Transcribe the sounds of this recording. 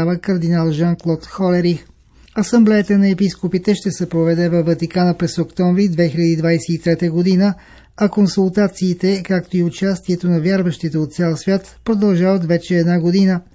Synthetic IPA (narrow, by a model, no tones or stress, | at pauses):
avəkɐɾd̪inalˠʒaŋklˠɔt̪xɔlɛɾix | ɐsɐmblɛɛt̪ənɐɛpiskopit̪ɛʃt̪ɛsɛpɾovɛd̪ɛvɐvːɐt̪ikanəpɾɛsokt̪ɔɱvɾid̪vɛxiʎʲɐd̪id̪vajsɛit̪ɾɛt̪əɡod̪inə | ɐkonsulˠt̪at̪siːt̪ɛkakt̪oiʊt͡ʃast̪iɛt̪onɐvʲjaɾvɐʃt̪it̪ɛot̪t̪sʲɛlˠsvʲjat̪pɾod̪ɐlˠʒavət̪vɛt͡ʃɛɛd̪naɡod̪inə